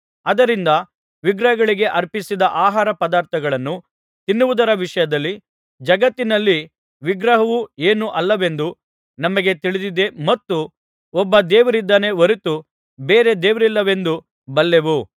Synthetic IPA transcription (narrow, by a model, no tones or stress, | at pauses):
ɐd̪ɐɾind̪ɐ | ʋiɡɾɐɦɐɡɐɭiɡe̞ʔɐɾpisid̪ɐʔaːɦaːɾɐpɐd̪aːɾt̪ʰɐɡɐɭɐnːu | t̪inːuʋud̪ɐɾɐʋiʂɐjɐd̪ɐlːi | d͡ʒɐɡɐt̪ːinɐlːi | ʋiɡɾɐɦɐʋue̞ːnuʔɐlːɐʋe̞nd̪u | nɐmɐɡe̞t̪iɭid̪id̪e̞mɐt̪ːu | ɔbːɐd̪eːʋɐɾid̪ːɐne̞ʋoɾit̪u | beːɾe̞d̪eːʋɾilːɐʋe̞nd̪u | bɐlːe̞ʋu